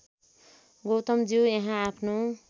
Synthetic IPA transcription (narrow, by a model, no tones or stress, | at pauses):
ɡowt̪ʌmd͡ziwjeɦãapʰno